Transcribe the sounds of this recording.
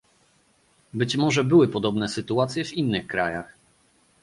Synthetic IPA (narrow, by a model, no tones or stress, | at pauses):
bɘt͡ɕmɔʐɛbɘwɘpɔd̪ɔbnɛsɘt̪uat̪sʲjɛvinːɘxkɾaja̰x